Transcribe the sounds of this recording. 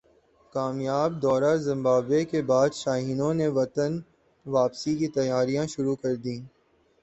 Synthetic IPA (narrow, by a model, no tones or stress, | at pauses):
kaːmjaːb̚d̪ɔːɾaɾzɪ̃mbaːbekebaːd̪ʃaːɦiːnõneʋɐt̪ən | ʋaːpsikit̪ɐjaːɾijãʃʊɾukɐɾd̪ĩː